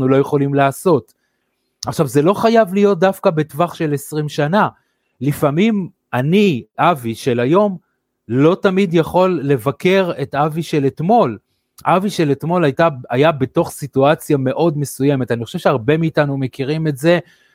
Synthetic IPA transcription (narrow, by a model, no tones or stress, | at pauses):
nulo̞je̞χo̞limlaːso̞t | ʔaχʃavze̞lo̞χajavlijo̞t̚d̪afkabe̞tvaχʃe̞le̞sʁimʃana | lifamim | aniʔaviʃelajo̞m | lo̞tamidjaχo̞lːe̞vake̞ʁe̞taviʃe̞letmo̞l | ʔaviʃe̞letmo̞lajtaajabe̞to̞χsituat͡sjame̞ʔo̞dme̞suje̞me̞taniχo̞ʃe̞vʃeaʁbe̞miːtanume̞kiʁime̞tze̞